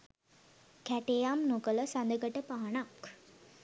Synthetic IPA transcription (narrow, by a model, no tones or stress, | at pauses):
kæʈejamnokələsand̪əɡəʈəpaːanak